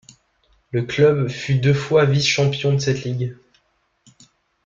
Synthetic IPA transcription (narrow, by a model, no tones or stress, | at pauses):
ləklœbfyd̪øfwavisʃɑ̃pjɔ̃d̪əsɛt̪liɡ